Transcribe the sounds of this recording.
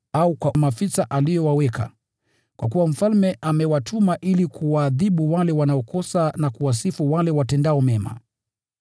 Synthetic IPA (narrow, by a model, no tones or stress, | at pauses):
aukwamafisaʔalijɔwawɛkʰa̰ | kwak̬uwam̩falmɛʔamɛwatʰumaʔilikʰuwaːðiɓuwalɛwanaɔkɔsanakuwasifuwalɛwatɛndaɔmɛma̰